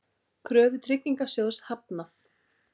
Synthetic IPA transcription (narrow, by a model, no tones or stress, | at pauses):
kʰɾœːvʏt̪ʰɾɪcːiŋkasjowshapnaθ